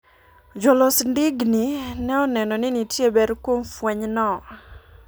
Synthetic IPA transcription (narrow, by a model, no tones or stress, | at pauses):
d͡ʒɔlɔsndɪɡninɛɔnɛnɔnɪnitjebɛɾkwomfwɛɲnɔ